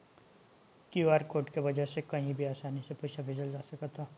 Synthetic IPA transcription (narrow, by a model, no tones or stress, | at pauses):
kjuaːɾkoːʈkeʋɐd͡ʒəsekɐɦĩbʱiaːsaːnisepʊːʃabʱɪd͡ʒəld͡ʒaːsɐkət̪ʰaː